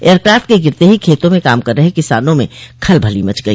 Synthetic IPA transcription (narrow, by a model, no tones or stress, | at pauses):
eəɾkɾaːfʈ̪̚keɡɪɾt̪eɦikʰeːt̪õmẽkaːmkəɾːəɦekɪsaːnõmẽkʰəlbʱəlimɐt͡ʃɡəi